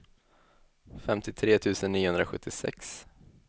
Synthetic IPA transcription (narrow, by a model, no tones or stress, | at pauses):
fɛmt̪ɪt̪ʰɾeːt̪ʰʉ̟ːsənːiːʊhɵnd̪ɾaɧɵ̰t̪ːɪsɛ̰ks